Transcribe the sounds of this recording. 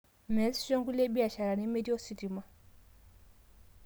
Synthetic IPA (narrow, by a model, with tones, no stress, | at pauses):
mɛ˨lsʃo˦ŋɡu˦le˦bi˦a˨ʃa˨ɾa˨ni˦me˦di˦o˦si˨ti˨ma˦